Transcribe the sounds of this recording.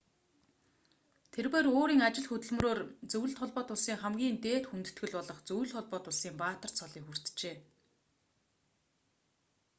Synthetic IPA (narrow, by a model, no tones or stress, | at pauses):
t̪ʰerweːɾoːɾiːŋat͡ɕɪ̆ɮxɵt̪ɵ̆ɮm̆roːrt͡sɵw̆ɘ̆ɬt̪χɔɮpɔːt̪ʊɮsiːŋχæmɡʲiːnt̪eːt̪xunt̪ɵ̆t̪ɡɘ̆ɮpɔɮɞ̆χt͡sɵj̆ɮt̪χɔɮpɔːt̪ʊɮsiːmpaːt̪ə̆r̥t͡sʰɔɮiːkxur̥t̪t͡ɕeː